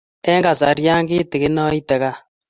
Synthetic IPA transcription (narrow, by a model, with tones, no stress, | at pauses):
ɛ˦ŋɡa˨sa˨ɾja˦ŋɡi˦ti˨ke˦nɔ˦i˦tɛ˨ka˦